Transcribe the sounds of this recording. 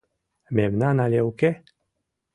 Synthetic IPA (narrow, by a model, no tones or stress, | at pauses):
memnanalewke